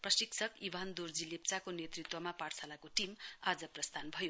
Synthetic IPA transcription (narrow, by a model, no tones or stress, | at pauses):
prʌsiksʰʌkibʱand̪ord͡zilep̚t͡sakonet̪rit̪wʌmapaʈsalakoʈimad͡zʌprʌst̪ʰanbʱʌjo